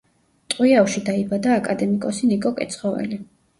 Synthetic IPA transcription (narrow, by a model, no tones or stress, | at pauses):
t̪ʼwiawʃid̪aibad̪aːkʼad̪ɛmikʼɔsinikʼɔkʼɛ̰t̪sʰχɔvɛ̰li